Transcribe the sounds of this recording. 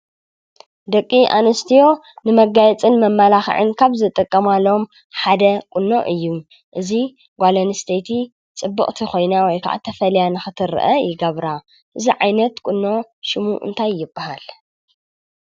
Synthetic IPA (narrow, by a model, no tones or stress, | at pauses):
d̪ɐkʼːiʔa̰nɐst̪ʰijo̞nɨmɐɡajɛt͡sʼɨnmɐmːɐlaxʕɨ̰nkʰaβzɨt̪ʼɨkʼːɐmalo̞m | ħad̪ɐkʼʊnːo̰ʔɨjːu | ʔɨzi | ɡʷalɐnɨst̪ʰejt̪ʰi | t͡sʼɨbːɨχʼt̪ʰixo̞jnawɔjkʰa̰ʕa̰t̪ʰɐfɐljanɨxɨt̪ʰɨɾ̰ʔɐ̰jɪɡɐβɾa | ʔɨziʕajnɐt̪kʼʊnːo̞ʃɪmṵʔɨ̰nt̪ʰajːɪbːahal